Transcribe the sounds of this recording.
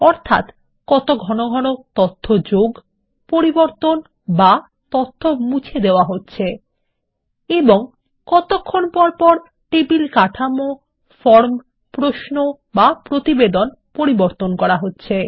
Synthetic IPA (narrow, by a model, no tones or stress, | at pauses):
ɔɾt̪ʰa̰t̪ | kɔt̪oɡʱɔnoɡʱɔnot̪ɔt̪ʰːod͡ʑoɡ | poɾiboɾt̪on | ba | t̪ɔt̪ʰːomut͡ɕʰed̪eoaɦotːɕʰe | eboŋ | kɔt̪okʰːonpɔɾpɔɾ | ʈebilkaʈʰamo | fɔɾm | pɾoʃno | bapɾot̪ibed̪on | poɾiboɾt̪onkɔɾaɦotːɕʰe